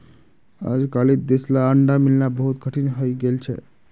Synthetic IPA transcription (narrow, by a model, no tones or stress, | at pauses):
a̰d͡ʒkalid̪eslaəɳɖamilnabəɦut̪̚kəʈʰinɦojɡelt͡ʃʰɛ̰